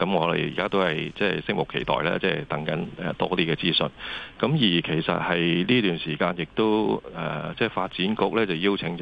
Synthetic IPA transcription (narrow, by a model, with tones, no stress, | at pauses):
kɐ˨˧˥mŋɔː˨˧lḛ˨˩jḭː˨kaː˥t̪o˥whɐ˨jt͡sɛː˥˨˩jsɪ˥k̚mʊ˨˩kʰːe˨˩jt̪ɔ̰ː˨jla̰ː˧t͡sɛː˥˧t̪ɐ˨˥ŋkɐ˨˥nɛ̰ː˨t̪ɔː˥t̪iː˥kɛː˧t͡siː˥sɵ̰˨˧nkɐ˨˥mjiː˨˩kʰe˨˩jsɐ̰˨t̚hɐ˨jliː˥t̪yː˨nsiː˨˩kaː˧njɪ˨k̚t̪o˥wʔɛː˨t͡sɛː˥˩faː˧t̚t͡siː˨˥nkʊ˥k̚lɛː˥t͡sɐ˨˩wjiː˥wt͡sʰɪ˨˥ŋː